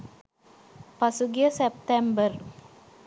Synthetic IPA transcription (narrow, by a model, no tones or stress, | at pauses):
pasuɡijəsep̚t̪embər